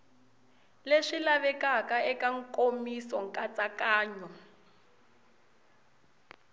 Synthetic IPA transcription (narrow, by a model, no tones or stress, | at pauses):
leʂilaβɛkakaɛkaŋ̩kʼomisɔŋkʼat͡sʼakaːɲɔ